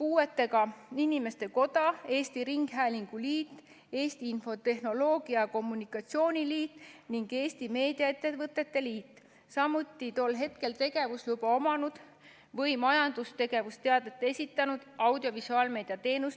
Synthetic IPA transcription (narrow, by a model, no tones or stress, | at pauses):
puːe̞t̪ːe̞ɡɑinime̞st̪e̞ko̞d̪̥ɑe̞ːst̪iɾiŋɡ̥ɦæːliŋɡ̥uliːt̪ː | e̞ːst̪iinfo̞t̪e̞hno̞lo̞ːɡ̥iɑko̞mːunikːˑɑt̪sio̞ːnʲiliːt̪niŋɡe̞ːst̪ime̞ːd̪̥iɑet̪ːˑevɤt̪ːˑe̞t̪ːe̞liːt̪ˑː | sɑmut̪ˑːit̪o̞lɦe̞t̪ke̞lt̪e̞ɡ̥e̞vuslubɑo̞mɑnud̪̥ | vɤjmɑjɑnd̪̥ust̪e̞ɡe̞vust̪eɑd̪et̪ːˑe̞sʲit̪ːˑɑnud̪̥ɑwd̪̥jo̞visuɑːlme̞ːd̪̥iɑt̪e̞ːnus